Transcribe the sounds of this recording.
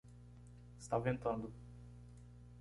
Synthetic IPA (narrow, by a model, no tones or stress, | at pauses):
ist̪avẽnt̪ɐ̃nd̪ʊ